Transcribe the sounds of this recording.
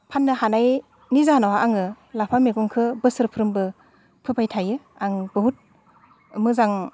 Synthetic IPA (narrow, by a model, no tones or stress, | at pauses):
pʰanːɯhanaj | nizanawaʔaŋɯ | lapʰameɡɔŋkʰɯbɯsɯɾpʰɯɾɯmbɯ | pʰɯpʰajtʰajɯ | aŋbɯɦut̚ | mɯzaŋ